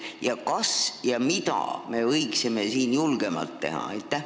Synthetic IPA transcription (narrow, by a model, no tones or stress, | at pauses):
jɑkɑsjɑmit̪ɑ̰me̞vɤiksime̞siːnjulɡ̥e̞mɑ̰lt̪ːe̞̰hɑ̰ɑjt̪ːˑæ